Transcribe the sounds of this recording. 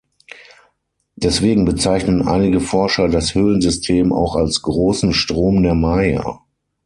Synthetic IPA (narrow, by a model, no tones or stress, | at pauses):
d̥ɛsv̥eːɡŋ̩bət͡saɪçnənʔa̰ɪnɪɡəfɔɐʃɐdashøːlənzʏstʰeːma̰ʊxalsɡ̥ʁoːsn̩ʃtʁ̥oːmdeːɐmaɪɐ̰